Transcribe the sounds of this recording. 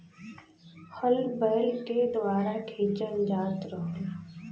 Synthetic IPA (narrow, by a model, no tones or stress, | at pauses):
həlbɛːlked̪ʋaːɾakʰeːt͡ʃənd͡ʒaːt̪ɾəɦ